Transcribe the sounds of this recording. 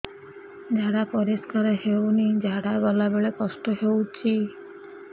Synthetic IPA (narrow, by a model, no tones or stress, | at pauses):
d͡ʒaɽapɔɾiskaɾɔɦewnid͡ʒaɽabɔlabeɭekɔsʈɔɦewt͡ʃʰi